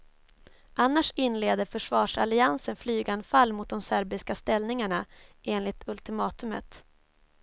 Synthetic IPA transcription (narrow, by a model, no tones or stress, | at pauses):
ʔanːaʂɪnleːd̪əɾfœʂvɑːʂalɪansənflyːɡanfalːmʊt̪̚d̪ɔmsæɾbɪskast̪ɛlnɪŋaɳaʔeːnlɪt̪ʰɵlt̪ɪmɑːt̪ɵmə̰t̪